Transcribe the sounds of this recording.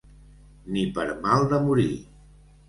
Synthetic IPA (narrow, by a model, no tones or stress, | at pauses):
nipəɾmalˠd̪əmuɾi